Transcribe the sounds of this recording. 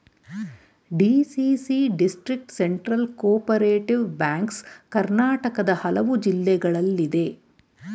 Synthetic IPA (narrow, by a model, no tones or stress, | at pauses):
ɖiːsiːsiɖisʈɾik̚ʈseɳʈɾɐlkoːpɐɾeːʈiʋbaːŋkskɐɾnaːʈɐkɐd̪ɐhɐlɐʋud͡ʒilːɛɡɐɭɐlːid̪e̞